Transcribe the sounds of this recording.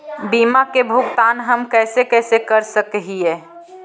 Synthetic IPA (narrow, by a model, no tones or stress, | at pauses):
biːmakebʱʊɡt̪aːnɦəmkɛːsekɛːsekəɾsəkɦieː